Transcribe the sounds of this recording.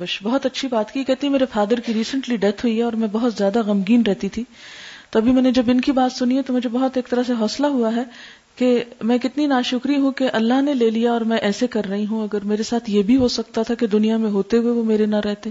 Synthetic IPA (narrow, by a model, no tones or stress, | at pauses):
ɐʃbɐɦɔt̪ɐtːʃʰibaːt̪kikɛɦt̪iɦɛ̃meːɾefaːd̪əɾkiɾiːsə̃ɳʈliɖɛt̪ʰɦuiɦɛɔːɾmɛ̃bɐɦʊt̪zjaːd̪aɣɐmɡiːnɾɛɦt̪it̪ʰit̪oɐbʱimɛːned͡ʒɐbɪnkibaːt̪sʊniɦet̪omʊd͡ʒʱebɐɦʊt̪eːk̚t̪ɐɾaseɦɔːslaɦuaɦɛ | kemɛ̃kɪt̪ninaːʃʊkɾiɦũkeʔɐlːaɦneleːlijaɔːɾmɛ̃ʔɛːsekɐɾːɐɦiɦũɐɡəɾmeːɾesaːt̪ʰjebʱiɦosɐkt̪at̪ʰaked̪ʊnijamẽɦoːt̪eɦueʋomeːɾenaɾɛɦt̪eː